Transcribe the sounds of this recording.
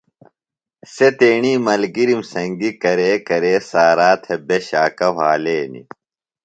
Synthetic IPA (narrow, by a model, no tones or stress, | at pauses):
set̪eːɳiːmɐlɡiɾimsɐŋɡikɐɾeːkɐɾeːsaːɾaːt̪ʰebeɕaːkɐwaːleːnḭ